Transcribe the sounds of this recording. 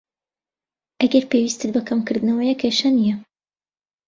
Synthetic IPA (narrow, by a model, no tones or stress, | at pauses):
ʔɐɡɐɾpewist̪ɨt̪̚bɐkʰɐmkɨɾd̪ɨnɐwɐjɛkʰeʃɐnijɛ